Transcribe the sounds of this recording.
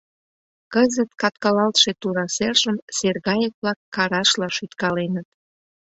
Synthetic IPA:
kəzət̪kɑt̪kɑlɑlt̪ʃet̪uɾɑserʒəmserɣɑjək̚βlɑkːɑɾɑʃlɑʃyt̪kɑlenət̪̚

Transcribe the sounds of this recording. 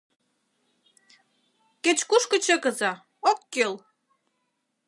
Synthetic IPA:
ket͡ɕkuʃkə̆t͡ɕə̆kə̆zɑ | okːel

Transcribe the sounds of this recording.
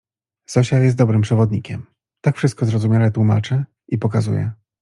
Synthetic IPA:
sɔɕajɛst̪̚d̪ɔbɾɘmpʂɛvɔd̪ɲikʲɛm | t̪akfʂɘst̪kɔzɾɔzumʲjalɛt̪wuma̰t͡ʂɘ | ipɔkazṵjɛ̰

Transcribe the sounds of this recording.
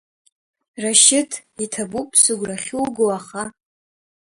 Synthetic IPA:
raʃɪtʰitʰabupʼsɨɡʷraχʲulɡowaχa

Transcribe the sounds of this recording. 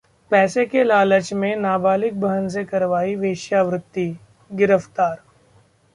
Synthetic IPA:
pɛːsekelaːlət͡ʃmẽnaːbaːlɪk̚bʱɐɦəns̬ekɐɾʋaːiʋeːʃjaʋɾɪt̪ːi | ɡɪɾəft̪aːɾ

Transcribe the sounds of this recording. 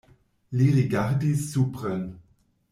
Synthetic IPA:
liʁiɡaʁdisːupʁɛn

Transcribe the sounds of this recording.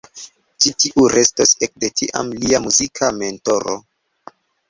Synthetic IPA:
t͡ʃitiʔuɾe̞stosek̚de̞tiʔa̰mliamuzikʰame̞nto̞ɾo̰

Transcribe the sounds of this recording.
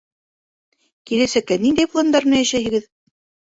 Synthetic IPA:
kilæsækːænind̪æjplˠɤ̆nd̪ɑɾnɑjæʃæhɘ̆ɡɘð

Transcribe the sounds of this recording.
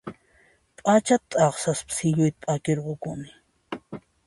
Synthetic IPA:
pʼat͡ʃat̪ʼːɑχsaspsɪʎʊjt̪̚pʼakɪɾɢokʊmɪ

